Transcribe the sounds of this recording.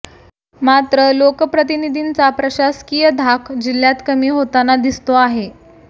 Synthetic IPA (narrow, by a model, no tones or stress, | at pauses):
mat̪ɾəlokəpɾət̪̬inid̪ʱiːnt͡sapɾəɕaskijəd̪ʱakʰd͡ʑiljat̪kəmiːɦot̪anad̪ist̪oaɦe